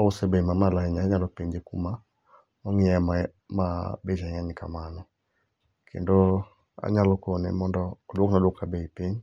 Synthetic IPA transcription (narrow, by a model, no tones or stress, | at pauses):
ɔʊsebemamalaɛɲaaɲalɔpiɲd͡ʒekuma | ɔŋɪɛ | mabed͡ʒaŋaɲka̰manɔ | kʰḛndo | a̰ɲalɔkonḛmɔndɔːdwoknadwɔkabeipiɲ